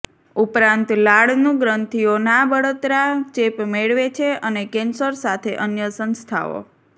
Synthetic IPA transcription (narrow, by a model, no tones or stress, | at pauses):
upɾãnt̪laɽnũɡɾənt̪ʰionabəɽət̪ɾat͡ʃepmeɭʋet͡ʃʰeənekensəɾsat̪ʰeʔənjəsə̃nst̪ʰa̰o̰